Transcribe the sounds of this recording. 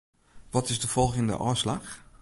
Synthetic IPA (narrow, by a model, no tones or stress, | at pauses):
ʋɔtɪzdəfɔlˠχɪŋdə̰ʔɔːslax